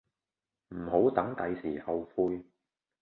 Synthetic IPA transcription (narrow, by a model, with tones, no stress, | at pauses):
m̩˨˩ho˨˥wt̪ɐ˨˥ŋt̪ɐ˨˧jsiː˨˩hɐ˨wfuː˧j